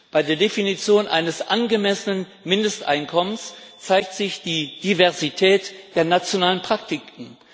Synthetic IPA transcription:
b̥aɪdeːɐdefinit͡sjoːnʔa̰ɪnəsʔanɡəmɛsənən | mɪndəstʔa̰ɪnkʰɔmənst͡saɪk̚tz̥ɪçd̥iːd̥ivɛɐzitʰɛːtd̥eːɐnat͡sjonaːlənpʁ̥ak̚tɪkŋ̩

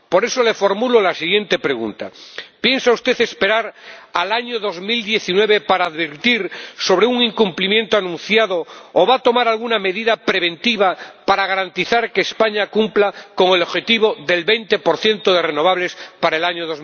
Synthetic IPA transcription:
po̞ɾe̞sole̞fo̞ɾmulolasiɣ̞je̞nt̪e̞pɾe̞ɣ̞ṵnt̪a̰pje̞nsaust̪e̞θe̞speɾaɾalaɲoðo̞zmild̪je̞θinwe̞β̞epaɾaːðβiɾt̪iɾso̞β̞ɾeuŋiŋkumplimjẽ̞nt̪oanũnθjaðoːβat̪o̞maɾalɣuname̞ðiðapɾeβ̞ẽ̞nt̪iβ̞apaɾaɣ̞aɾant̪iθaɾkeːspaɲakumplako̞ŋeloβxe̞t̪iβ̞oðe̞lβejnt̪e̞po̞ɾθje̞nt̪oðe̞reno̞βaβle̞spaɾaelaɲoðoz

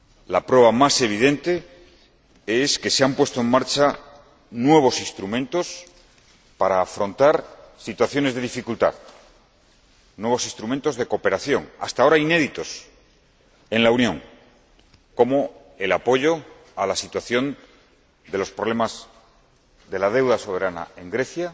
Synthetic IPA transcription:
lapɾwe̞β̞amase̞β̞iðẽ̞nt̪e̞ | eske̞seampwe̞st̪oe̞ŋmaɾt͡ʃa | nwe̞β̞o̞sist̪ɾumẽnt̪o̞s | paɾaːfɾo̞nt̪aɾsit̪waθjo̞ne̞zðe̞ðifikult̪a̰ð | nwe̞βo̞sist̪ɾument̪o̞zðe̞ko̞pe̞ɾaθjo̞ŋa̰st̪ao̞ɾaine̞ðit̪o̞s | enlaunjõ̞ŋ | ko̞mo | e̞lapo̞ʝo̞ | alasit̪waθjo̞n | d̪e̞lo̞spɾo̞β̞le̞maz | ðe̞lað̞e̞wðaso̞βe̞ɾana̰e̞ŋɡɾe̞θja

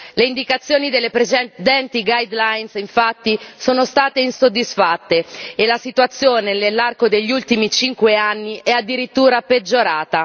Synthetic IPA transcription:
leind̪ikat̪sːjoːnid̪elːepɾet͡ʃɛd̪ɛnt̪iɡajd̪lajnsiɱfat̪ːisoːnost̪aːt̪einsod̪ːisfat̪ːeːlasit̪wat̪sːjoːnenelːarkod̪eʎːiult̪imit͡ʃiŋkweanːiʔɛad̪ːiɾit̪ːuːɾaped͡ʒːoɾaːt̪a

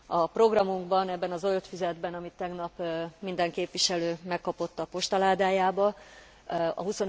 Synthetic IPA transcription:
ɒpro̞ɡrɒmuŋɡbɒnɛbːɛnɒzojot̪fizɛd̪bɛnɒmit̪ːɛɡnɒpmind̪ɛŋkeːpʋiʃɛløːmɛkːɒpo̞t̪ːɒpo̞ʃt̪ɒlaːd̪aːjaːbɒ | ɒ̰ɦuso̞n

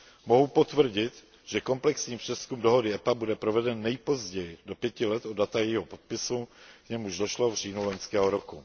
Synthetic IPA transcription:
mo̞ɦupo̞t̪vr̩ɟɪt̪ | ʒ̥ɛko̞mplɛksɲiːpr̝̥ɛskumdoɦo̞dɪɛpabudɛpɾo̞vɛdɛnːɛjpo̞zɟɛjɪdo̞pjɛcɪlɛt̪ʔodat̪ajɛjiːɦopot̪̚pɪsukɲɛmuʒdoʃlo̞vr̝iːnuloɲskɛːɦoɾoku

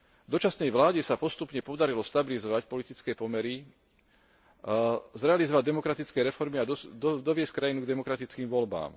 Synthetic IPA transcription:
d̪ɔt͡ʃasnɛjʋlaːɟɛsapɔst̪upɲɛpɔd̪aɾilɔst̪abilizɔʋacpɔlit̪it͡skɛːpɔmɛɾi | zɾɛalizɔʋaɟd̪ɛmɔkɾat̪it͡skɛːɾɛfɔɾmiad̪ɔʋɪɛsckɾajinuɡd̪ɛmɔkɾat̪it͡skiːmʋɔlba̰ːm

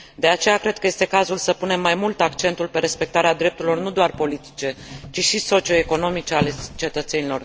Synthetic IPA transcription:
d̪e̞at͡ʃe̞jakɾe̞d̪̚kəje̞st̪e̞kazulsəpune̞mːajmult̪akt͡ʃe̞nt̪ulpe̞ɾe̞spe̞k̚t̪aɾead̪ɾe̞p̚t̪uɾilo̞rnud̪oarpo̞lit̪i̥t͡ʃe̞t͡ʃiʃiso̞t͡ʃio̞eko̞no̞mit͡ʃe̞ale̞t͡ʃe̞t̪ət̪se̞nilo̞r

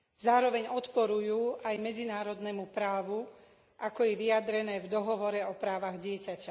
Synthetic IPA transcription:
zaːɾɔʋɛɲɔt̪pɔɾujuːʔajmɛd͡zinaːɾɔd̪nɛmupɾaːʋu | ʔakɔjɛʋijad̪ɾɛnɛːvd̪ɔɦɔʋɔɾɛɔpɾaːʋaɣɟɪɛcaca

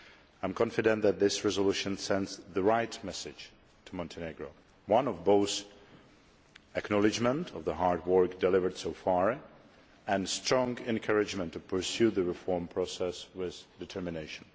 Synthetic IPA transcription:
ãɪ̃mkʰɑ̃nfɨdɛ̃nðæt̪̚ðɪsɹɛzəluʃə̃nsɛ̃ndzðəɹaɪtmɛsɪ̥d͡ʒ | tʰumɔ̃ntʰɨneɡɹoʊ | wʌ̃nɔvboʊθ | ɨknɑlˠɪd͡ʒmə̃ntʰɔvðəɦaɹd̚wɜ˞kdɨlɪvə˞d̥soʊfɑɹ | ɛ̃nstɹ̥ɔ̃ŋɡɛ̃nkʰʌɹɪd͡ʒmə̃ntʰːupʰə˞sjʉðəɹɪfɔɹmpʰɹ̥ɔsɛswɪðdɨtʰɜ˞mɪneɪʃə̃n̩

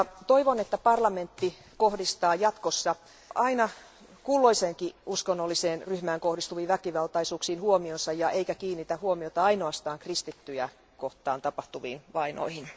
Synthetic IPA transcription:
t̪oiʋonet̪ːæpɑrlɑment̪ːi | kohdist̪ɑːjɑt̪kosːɑ | ɑinɑ | kulːoiseːŋkiuskonːolːiseːnryhmæːŋkohɾist̪uʋiːʋækiʋɑlt̪ɑisuːksiːnhuomionsɑjɑʔeikækiːnːit̪æhuomiot̪ɑɑinoɑst̪ɑːŋkrist̪it̪ːyjæ | koht̪ˑɑːnt̪ɑpɑht̪uʋḭːnʋɑino̰ihin

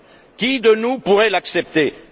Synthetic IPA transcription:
kʲid̪ənupuʁɛlaksɛp̚t̪e

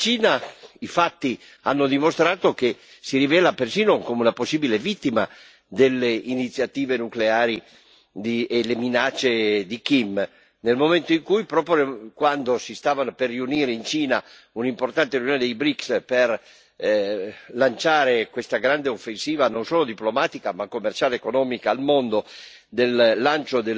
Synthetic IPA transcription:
t͡ʃiːnaifat̪ːi | anːod̪imost̪ɾaːt̪oke | siɾivɛːlapersiːnokomeunaposːiːbilevit̪ːima | d̪elːeinit̪sːjat̪iːvenukleaːɾi | d̪iːlːeminat͡ʃːed̪ikim | nelmoment̪oiŋkujpɾɔːpjkwand̪osist̪aːvanoperːiuniːɾeint͡ʃiːna | unimport̪ant̪erinijoned̪ejbɾiksper | lant͡ʃaːɾekwest̪aɡɾand̪eofːensiːvanonsoːlod̪iplomaːt̪ikamakːomːert͡ʃaːleːkonɔːmikaːlmond̪o | d̪elːant͡ʃod̪e

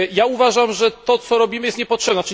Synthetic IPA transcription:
jauvaʐamʐɛt̪ɔt̪sɔɾɔbʲimɘjɛst̪ɲɛpɔtʂɛbnɛt͡ʂɘ

